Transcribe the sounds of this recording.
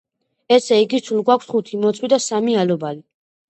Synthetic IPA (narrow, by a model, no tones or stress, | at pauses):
ɛsɛiɡit̪ʰulˠɡwakʷʰsχut̪ʰimɔt̪sʼwid̪asamialɔbali